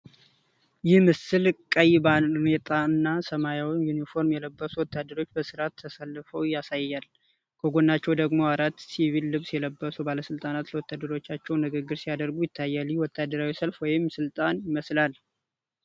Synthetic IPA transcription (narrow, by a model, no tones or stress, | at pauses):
jɪhmɨsɨlkʼəjbanet̪ʼaɨnːasəmajawnjunifo̞ɾmjɛləbːəsuwɔt̪ʰːad̪əɾo̞t͡ʃːbəsɨɾat̪ʰːəsalːɨfəwjasajːal | kʰəɡo̞nːat͡ʃːɛwd̪əɡmo̞aɾat̪ːsivilːɨβsjɛləbːəsubaləsɨlt̪ʼanat̪ləwɔt̪ʰːad̪ːəɾo̞t͡ʃːat͡ʃːɛwnɨɡɨɡːɨɾsijad̪əɾɡujɪt̪ʰːajːaliwɔt̪ʰːad̪ːəɾawisəlfwɔjɪmsɨlt̪ʼanjɪməslal